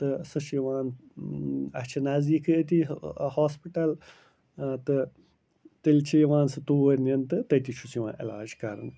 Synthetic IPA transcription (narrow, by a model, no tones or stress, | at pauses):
t̪ɨsɨʃiʋãːn | ɐ̰ht͡ʃʰɐnaːziːkɨɐt̪̬ihaːspiʈɐl | t̪ɨ | t̪ilt͡ʃʰiʋãːnsɨt̪uːʋɐɾʲnɐnt̪ɨt̪ɐt̪it͡ʃʰusiʋã̰ːʔilaːd͡ʒkɐɾɨ̰n